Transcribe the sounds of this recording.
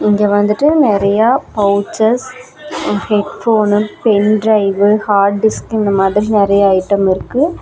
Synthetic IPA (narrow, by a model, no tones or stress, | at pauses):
ɪŋɡeːʋɐnd̪ɯʈːɯnɪɾɐjaːpɐwʊt͡ʃːɐs | hɛʈfoːnpɛnɖɾɐɪʋɯhaːɾʈ̚ɖɪskɪnd̪ɐmaːðɾinɪɾɐjɐɐɪʈːɐmɪɾɯkːɯ